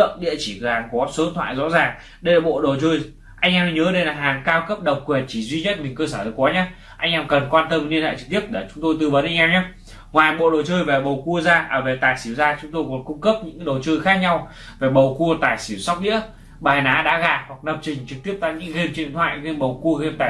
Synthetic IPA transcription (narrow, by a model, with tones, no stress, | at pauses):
ə̰˧˨ŋ͡mɗḭ˧˨ət͡ɕi˧˩˨zaː˨˩ŋku˧˨˩aː˦˥p̚səː˨˦˨nt̪ʰwa̰ː˧˨jzɔ̰˧˥zaː˨˩ŋ | ɗə˧jlaː˨˩ɓo̰˧˨ɗo˨˩t͡ɕəː˧j | ʔa˧jŋʔɛː˧mn˧ɲəː˨˦ɗə˧jlaː˨˩ɦaː˨˩ŋkaː˧wkə˦˥p̚ɗə˨˩wk͡p̚kwi˨˩ənt͡ɕi˧˩zwi˧ɲə˦˥t̚mi˨˩ŋ̟kəː˧səː˧˩zə˨˧˩kwɔ˨˦ɲaː˨˦ | ʔa˧jŋ̟ʔɛː˧mkə˨˩nkwaː˧nt̪ə˧m˧li˧nha̰˧˨jt͡ɕɨ˨˩k̚t̪i˦˥əp̚ɗe˧˨˩t͡ɕʊ˨˦ŋ͡mt̪o˧jt̪ɨ˧və˨˦nʔa˧jŋ̟aː˧ŋ͡mɲaː˨˦ | ŋwaː˨˩jɓo̰˧˨ɗo˨˩wt͡ɕəː˧jve˨˩ɓə˨˩wku˧əzaː˧ʔəː˧˩ve˨˩t̪aː˨˩jsi˧˩əwzaː˧t͡ɕʊ˨˦ŋ͡mt̪o˧jkɔ˨˩˦nkʊ˧ŋ͡mkə˦˥p̚ɲɨ̰˧˥ŋkːɗo˨˩wt͡ɕə˧jxaː˦˥k̚ɲa˧w | ve˨˩ɓə˨˩wku˧ət̪aː˨˩jsi˧˩ə˩wsa˦˥wk͡p̚ɗḭ˧˥ə | ɓaː˨˩jnaː˨˦ɗa̰ː˧˥ɣaː˨˩hwa˨˩k̚nə˨˩p̚t͡ɕï˨˩ŋ̟t͡ɕɨ˨˩k̚t̪i˦˥əp̚t̪aː˧˨ɲɨ̰˧˥ŋɣe˧mt͡ɕi˧˨t̪ʰwa̰ː˧˨jɣe˧nɓə˨˩wku˧əɣe˧mt̪aː˨˩